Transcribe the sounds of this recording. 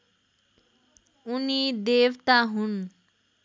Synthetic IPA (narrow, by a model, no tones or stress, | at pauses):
unid̪ewt̪aɦun